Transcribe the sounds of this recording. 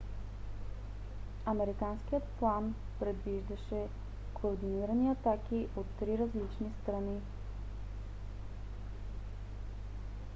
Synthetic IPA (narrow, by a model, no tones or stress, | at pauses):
ɐmɛɾikansk̟ijət̪plˠan | pɾɛd̪viʒd̪ɐʃɛ | koɾd̪iniɾəniɐt̪akiʔot̪ːɾiɾɐzlit͡ʃnist̪ɾɐni